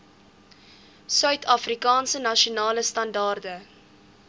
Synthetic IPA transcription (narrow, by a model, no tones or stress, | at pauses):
sœɥtʰɑfrikɑːnsənɐʃiunɑːləstɐndɑːrdə